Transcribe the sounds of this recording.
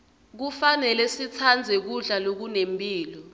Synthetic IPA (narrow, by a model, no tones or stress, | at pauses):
k̬ufanɛlɛsit͡sʰand͡zʱɛk̬uɮalok̬unempʼiːlɔ